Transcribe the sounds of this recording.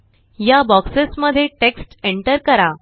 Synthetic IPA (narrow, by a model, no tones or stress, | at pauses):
jabɔksəsməd̪ʱːjeʈeksʈeɳʈəɾkəɾa